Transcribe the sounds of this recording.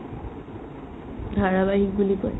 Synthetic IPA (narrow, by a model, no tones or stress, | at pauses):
d̪ʱaɹabaɦik̚bulikɔ̰